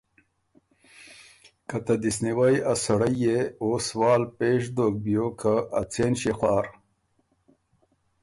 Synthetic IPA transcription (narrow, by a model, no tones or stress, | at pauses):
kɐt̪ɐd̪isniwajasɐɽajeoːswɑːlpeːʂd̪ok̚bjokʰaːt͡seːnɕexwaːɾ